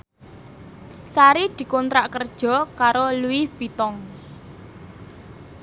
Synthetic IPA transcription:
saɾid̪̥i̤kɔnt̪ɾaʔkərd̥ʒ̥ɔ̤kaɾoluifit̪ɔŋ

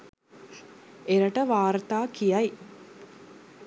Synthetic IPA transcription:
eɾɐʈəʋaːɾt̪aːkijɐj

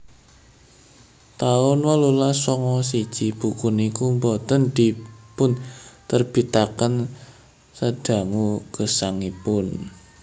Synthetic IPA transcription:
t̪aʊnwəlulasɔŋɔsid̥ʒ̥ib̥ukʊnikumbɔt̪ənd̪̥i̤pʊnt̪ərb̥i̤t̪akən | səd̥a̤ŋuɡ̥ə̤saŋipʊn

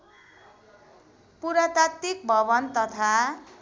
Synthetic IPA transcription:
puɾat̪at̪ːik̚bʱʌβʌnt̪ʌt̪ʰa

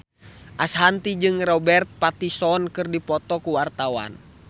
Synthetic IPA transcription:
ʔasɦant̪id͡ʒɨŋrɔbɛrt̪̚pat̪isɔnkɨrdipɔt̪ɔkuwart̪awa̰n

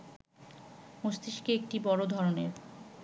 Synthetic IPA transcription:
most̪iʃkeek̚ʈibɔɾod̪ʱɔɾoneɾ

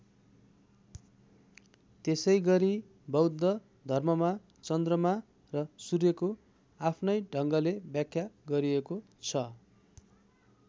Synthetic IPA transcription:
t̪esʌjɡʌɾi | bʌwd̪ːʌ | d̪ʱʌrmʌma | t͡sʌnd̪rʌma | rʌsurjeko | apʰnʌjɖʱʌŋɡʌlebjakʰːjaɡʌɾieko | t͡sʰʌ

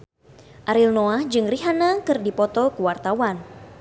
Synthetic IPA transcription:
ʔaɾilnoahd͡ʒɨŋriɦanakɨrdipɔt̪ɔkəwart̪awan

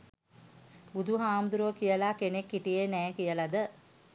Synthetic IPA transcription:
bud̪ʱuɦaːmd̪uɾuʋəkijəlakenekːiʈijenɛːkijəlad̪ə

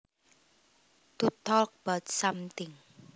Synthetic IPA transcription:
t̪ut̪ɔlk̚b̥at̪̚samt̪ɪŋ

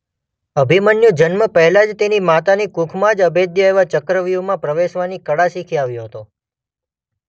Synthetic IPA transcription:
əbʱimənjod͡ʒənməpəɦɛlad͡ʒt̪enimat̪anikũkʰmãd͡ʒəbed̪jəeʋat͡ʃəkɾəʋuʋmãpɾəʋeʃʋanikəɽasikʰiaʋjoɦət̪o

